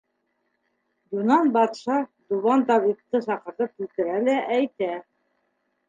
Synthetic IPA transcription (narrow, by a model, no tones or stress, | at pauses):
d̪unɑnbɑt̪ʃɑd̪uβɑnt̪ɑβik̚t̪ːɤsɑqɤ̆ɾɤp̚kilt̪ɘ̆ɾælæʔæjt̪æ